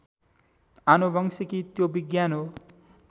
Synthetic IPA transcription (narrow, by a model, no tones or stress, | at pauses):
anobʌŋsikit̪jobiɡjano